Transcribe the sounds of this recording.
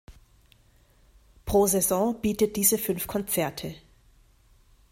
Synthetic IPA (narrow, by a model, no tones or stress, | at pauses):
pʁ̥oːzɛzɔ̃b̥iːtət̚d̥iːzəfʏnfkʰɔnt͡sɛɐtʰə